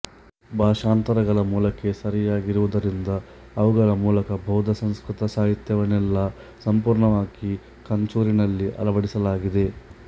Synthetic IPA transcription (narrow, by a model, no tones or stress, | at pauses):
bʱaːʂaːnt̪ɐɾɐɡɐɭɐmuːlɐke̞sɐɾijaːɡiɾuʋud̪ɐɾind̪ɐː | ʋuɡɐɾɐmuːlɐkɐbʱɐwd̪ʱɐsɐ̃wskɾut̪ɐsaːɦit̪jɐʋɐnɛlːɐ | sɐmpuːɾɳɐʋaːɡi | kɐɲt͡ʃuːɾinɐlːiʔɐ̰lɐʋɐɽisɐlaːɡid̪e̞